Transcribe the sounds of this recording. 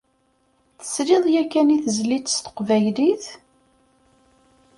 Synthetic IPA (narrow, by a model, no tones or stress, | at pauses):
θə̥sɾɪðˤjækːæniθəzlit͡sːə̥st̪ə̥qvæjliθ